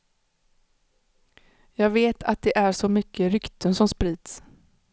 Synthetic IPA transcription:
jɑːɡveːt̪ʰat̪̚d̪ɛʔæʂɔmʏkːəɾʏkt̪ʰənsɔmspɾiːd̪s

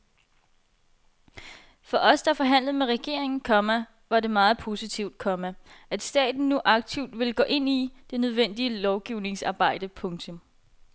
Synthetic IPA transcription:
fɒ̽ʔɒ̽sd̥ɑfɒ̽ɦæn̰lð̩ˠmeʁɛɡ̥e̝̰ɐ̰eŋn̩kʰɒ̽mæ | ʋɑ̈ɾe̝mɑ̈ːð̞̩ˠpʰo̝sit͡sʰiʊ̰d̥kʰɒ̽mææd̥sd̥ɛ̰ːd̥n̩ːuʔɑ̈ɡ̥̚t͡sʰiʊ̰d̥ʋe̝lɡ̥ɔ̰̽ːʔe̝n̰id̥e̝nøð̞ˠʋen̰d̥iəlɒʊɡ̥iʊne̝ŋsɑ̈ːb̥ɑ̈ɪ̰d̥əpʰɔ̽ŋt͡sʰɔ̽m

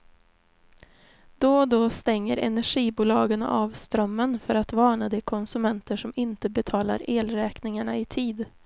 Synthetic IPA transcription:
d̪ɔd̪ɔst̪ɛŋːəɾɛ̰næɧiːbuːlɑːɡəna̰ʔɑːvst̪ɾœmːənfœɾat̪vɑːɳad̪ɛkʰɔnsɵmɛnt̪əʂɔmɪnt̪əbɛt̪ʰɑːla̰ɾeːlɾɛːknɪŋaɳaɪt̪ʰiːd̪

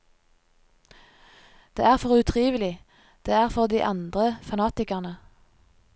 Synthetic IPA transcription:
d̪̥ḛːæːʁfɔʁʉt̪ʰʁiːʋəlɪ | d̪̥eːæːʁfɔʁd̪iːʔɑ̰nd̪ʁəfɑnɑːt̪ɪkɑʁnə

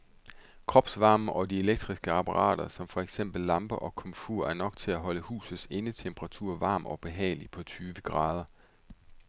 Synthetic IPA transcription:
kʰʁɒ̽b̥sʋɑ̈ːmʔɒ̽die̝leɡ̥̚d̥ʁisɡ̥əɑ̈pʰɑʁɑ̰̈ːɾ̥ɐsɒ̽mfɒ̽eɡ̥sem̰b̥l̩ːɑ̈mb̥ɐʔɒ̽kʰɒ̽mfuɐ̰ʔæɐnɒ̽ɡ̥̚t͡sʰe̝læɦɒ̽ləhṵːsð̩ˠse̝nət͡sʰemb̥ʰəʁɑ̈t͡sʰuɐ̰ʋɑ̈ːmʔɒ̽b̥e̝ɦɛ̰ːlipʰɒ̽t͡sʰyːʋəɡ̥ʁɑ̈ːð̞ˠɐ

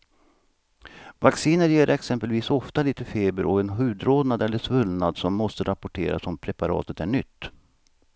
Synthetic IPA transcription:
vaksiːnəɾjeːɾʔɛksɛmpəlviːsɔft̪aliːt̪əfeːbəɾɔɛnɦʉ̟ːd̪ɾoːd̪nad̪ɛlːəʂvɵlnad̪sɔmːɔst̪əɾʔapɔʈʰḛːɾa̰sɔmpʰɾɛpaɾɑ̰ːt̪ət̪æɳʏt̪ː

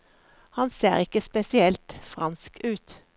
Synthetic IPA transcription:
hɑnseːʁɪkəspɛsɪɛlt̪fʁɑnskʔʉːt̪

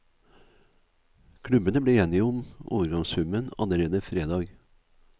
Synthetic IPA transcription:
kʰlʉbənəbleːeːnɪʊmo̰ːʋəɾɡɑŋshʉmənɑ̰ləɾeːd̪əfɾeːd̪ɑːɡ

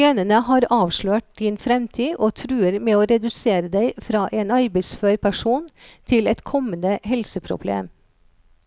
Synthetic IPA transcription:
œnənəhɑːɾɑːʋʂɭøːʈ̚d̪̥iːnfɾɛmt̪ʰiːʔoːt̪ʰɾʉːəɾmeːoːɾɛd̪ʉseːɾəd̪æɪfɾɑːʔeːnɑɾbɛɪsføːɾpʰæʂuːnt̪ʰɪlɛt̪kʰɔmənəɦɛlsəpʰɾʊ̰blḛːm

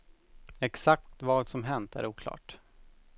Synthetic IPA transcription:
ɛksak̚t̪t̪vɑːd̪sɔmɦɛnt̪ʰæ̰ɾuːkʰlɑ̰ːʈ

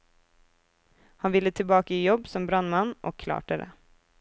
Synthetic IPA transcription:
hɑnʋɪlːət̪ʰɪlbɑːkəijɔbsɔmbɾɑnmɑnʔo̰ːkʰlɑ̰ːʈəd̪ḛː

